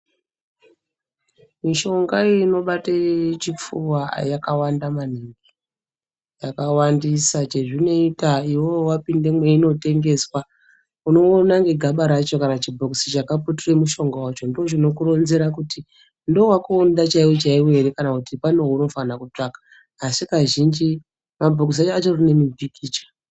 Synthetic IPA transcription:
miʃo̞ŋɡaino̞ɓatat͡ʃip͡fuwajakawandaman̤iŋɡi | jakawandisat͡ʃe̞ʐino̞itaiwowapinde̞mwe̞ino̞te̞ŋɡe̞swa | uno̞ːnaŋɡe̞ɡʱaɓaɾat͡ʃo̞kanat͡ʃibʱoksit͡ʃakaputure̞muʃo̞ŋɡowat͡ʃo̞ndioʐino̞kuɾo̞nze̞ɾakuti | ndowakuundat͡ʃaiwot͡ʃaiwe̞ɾekanakutipanouno̞fanakut͡ʂakḁː | sikaʒind͡ʒi | mabʱokis̬at͡ʃat͡ʃo̞rine̞mibʱikiːt͡ʃḁ

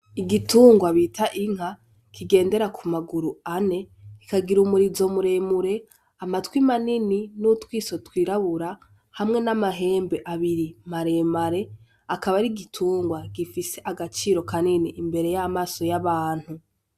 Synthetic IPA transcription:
iɡituːŋɡwaβitʰaʔiŋ̥ha | kʰiɡe̞ːnde̞ɾakʰumaɡuɾuane̞ | ikaɡiɾumuɾizo̞muɾe̞muɾe̞ | amatwimanininutwiːso̞twiːɾaβuɾa | hamŋe̞namaɦe̞ːmbe̞ʔaβiɾimaɾe̞maɾe̞ | akaβaɾiɡitʰuːŋɡwaɡ̥ifise̞ʔaɡat͡ʃiːɾo̞kaniniʔimbe̞ɾe̞jamaːso̞jaβaːn̥hu

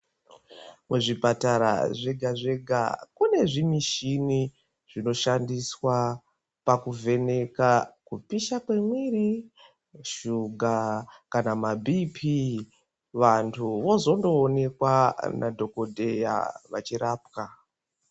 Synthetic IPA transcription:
muʐipataɾa̰ʐeɡʱaʐe̞ɡʱa̰kune̞ʐimiʃini | ʐ̥ino̞ʃandiswa | pakuvʱe̞ne̞kakupiʃakwe̞mwiri | ʃuɡʱakanamabʱipʰi | ʋantʰuʋo̞zo̞ndo̞ːne̞kwanʔadʱo̞ko̞dʱe̞ja̰ʋat͡ʃiɾaːpka

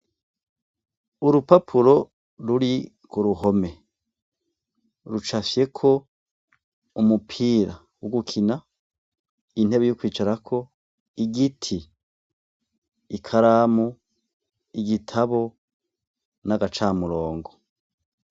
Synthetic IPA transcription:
uɾupapʰuɾo̞ | ɾuɾi | kuɾuɦo̞me̞ | ɾut͡ʃafje̞kʰo̞ | umupʰiːɾa | woɡukʰina | in̥he̞βejokwiːt͡ʃaɾakʰo̞ | iɡitʰi | kʰaɾaːmu | iɡitʰaβo̞ | naɡat͡ʃaːmuɾoːŋɡo

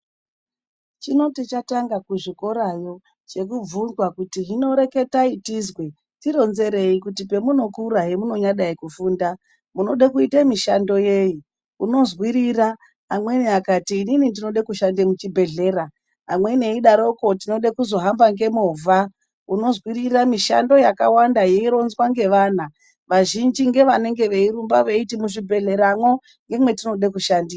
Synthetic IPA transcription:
t͡ʃino̞tit͡ʃataŋɡakuʐiko̞ɾajo̞ | t͡ʃe̞kub͡vunzwakutiɦino̞ɾe̞ke̞taitizwe̞ | tiɾo̞nze̞ɾe̞ikutipe̞muno̞kuɾaɦe̞muno̞ɲaɗaikufuːnda | muno̞ɗakuitamiʃando̞je̞ji | uno̞zwiɾira | amwe̞niakatiːninindino̞ɗekuʃandemut͡ʃibʱe̞ɮe̞ːraː | mwe̞neiɗaɾo̞ko̞tino̞ɗakuzo̞ɦambaŋɡemovʱa | uno̞zwiriramiʃa̰ndo̞jakawandajeiɾo̞nzwaŋɡe̞ʋan̤a | ʋaʒind͡ʒiŋɡe̞ʋane̞ŋɡe̞ʋe̞iɾumbaʋe̞itimuʐibʱe̞ɮe̞ɾamwo̞ | ŋɡe̞mwe̞tino̞ɗekuʃandira

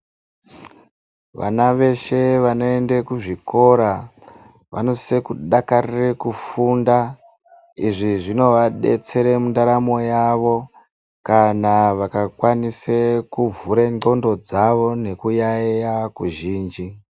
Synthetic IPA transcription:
ʋa̰naʋe̞ʃe̞ʋano̞e̞ndekuʐiko̞ɾa | ʋʔa̰no̞se̞kuɗakarirekufunda | iʐiʐino̞ʋaɗe̞̰t͡se̞ɾe̞mundaɾamo̞jaʋo̞ | kanaʋakakwanisekuvuɾeŋ͡ǃo̞ndo̞d͡zaʋo̞ne̞kujajakuʒiːnd͡ʒi

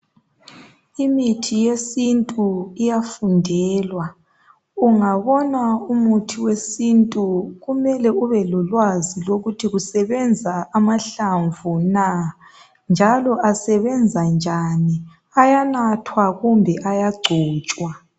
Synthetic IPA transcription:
imitʰijesintʼuijafundʱɛːlwa | uŋaβɔnaumutʰiwesintʼuɣumɛlɛuβɛlɔlwaziloɣutʰiɣusɛβɛnd͡zʱaːmaɬaɱvuna | nd͡ʒʱalɔʔasɛβɛnd͡zʱand͡ʒʱani | ajanatʰwaɣumbʱɛʔajaɡ͡ǀʱɔːt͡ʃʼwa

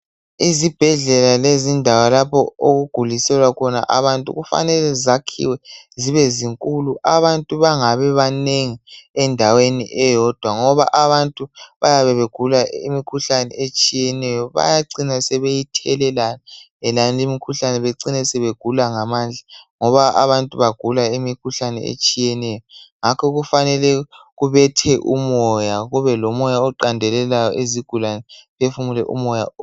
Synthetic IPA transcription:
izib̥ʱɛɮɛlalezindʱawalapʰɔoɣuɡ̥ʱulisɛlwakʰɔna̰ʔaβantʼṵɣufa̰nɛlɛzakʰḭwɛziβɛziŋkʼuluʔaβantʼuβaŋaβɛβaneŋiɛndʱawenḭʔɛjɔd̥ʱwaŋɔβa̰ʔaβantʼuβajaβɛβeɡ̥ʱulaḭmikʰuɬanɛ̰et͡ʃʼijɛnɛjɔβa̰jaǀinasɛβejitʰɛlɛlana | ɛlanlimikʰuɬanɛβeǀinɛsɛβeɡ̥ʱulaŋamaːnd͡ɮʱaŋɔβaʔa̰βantʼuβaɡ̥ʱulaimikʰuɬanɛ̰ḛt͡ʃʼijɛnɛjɔŋakʰɔɣufanɛlɛɣuβɛtʰɛʔṵmɔjaɣuβɛlɔmɔjaɔǃandʱɛlɛlajɔʔeziɡ̥ʱulanɛβefumulɛ̰ʔṵmɔja̰

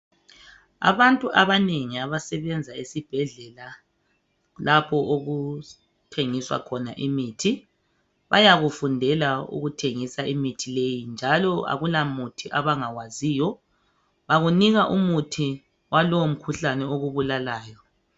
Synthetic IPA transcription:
a̰βantʼuʔaβaneŋiaβasɛβɛnd͡zʱaesib̥ʱɛɮɛla | lapʰɔʔoɣu | tʰeŋiswa̰kʰɔnaʔimiːtʰi | βa̰jaɣufundʱɛlaṵɣutʰeŋisaimitʰilejind͡ʒʱalɔa̰ɣulamutʰiʔaβaŋaɣwaziːjɔ | βaɣuniɣaʔumutʰi | walɔwom̩kʰuɬanɛoɣuβulalaːjɔ

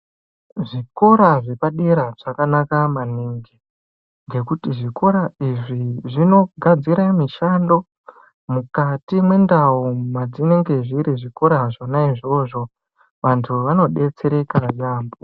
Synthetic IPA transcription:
ʐiko̞ɾaʐe̞paɗeɾaʐ̥akanakamaniːŋɡi | ŋɡe̞kutiʐiko̞ɾaiʐiʐino̞ɡʱad͡ziɾamiʃando̞ | mukatimwe̞ndaumad͡zine̞ŋɡe̞ʐiɾiʐiko̞ɾaʐo̞naiʐo̞ʐo̞ | ʋantʰuʋano̞ɗe̞t͡se̞ɾe̞kajaːmbo

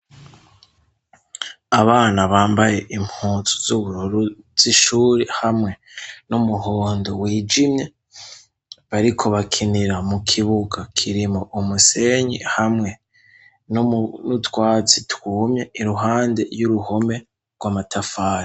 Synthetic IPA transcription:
aβaːnaβaːmbaje̞ʔimhuːt͡su̥zuβuɾuɾu | z̥iʃuːɾihamŋe̞ | numuɦoːndo̞wiːd͡ʒimɲe | βaɾikʰo̞βakʰiniɾamukʰiβuɡakʰiɾimoʔumuse̞ɲḭhamŋe̞ | nnutwaːt͡sitwuːmɲe̞iɾuɦaːnde̞juɾuho̞me̞ | ɾɡwamatʰafaːɾi

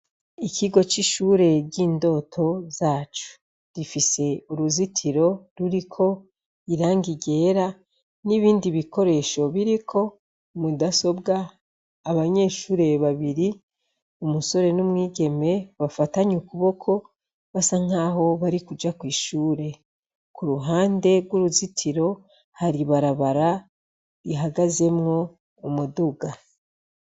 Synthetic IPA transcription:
iciɡo̞t͡ʃiʃuːɾe̞ɟiːndo̞ːtʰo̞zaːt͡ʃu̥ | difise̞uɾuzitʰiɾo̞ɾuɾikʰo̞ | iɾaːŋɡiɟe̞ːɾa | niβiːndiβiko̞ɾe̞ːʃo̞βiɾikʰo̞ | mudaso̞bɡaː | βaɲe̞ːʃuːɾe̞βaβiɾi | umuso̞ɾe̞numŋiːɟe̞me̞βafataɲukuβo̞kʰo̞ | βasaŋ̥aɦo̞βaɾikud͡ʒakwiːʃuːɾe̞ | kuɾuɦaːnde̞ɾɡwuɾuzitʰiɾo̞ | haɾiβaɾaβaɾa | ɾiɦaɡaze̞mŋo̞ː | mudoɡa

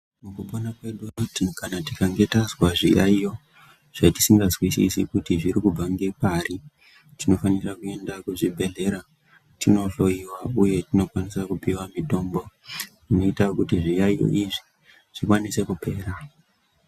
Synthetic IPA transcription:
mukuɓonakwe̞ɗukanatikaŋɡe̞tazwaʐijaijo̞ | ʐ̥ati̥siŋɡazwisḭsḭkutiʐiɾikub͡vaŋɡepaɾi | tino̞fanirakue̞ndakuʐibʱe̞ɮe̞ɾa | tʰino̞ɮo̞iwauje̞tino̞kwanisakupiwamito̞ːmbo̞tino̞itakutiʐijaijo̰ʔiʐi | ʐ̥ikwanise̞kupe̞ːɾa

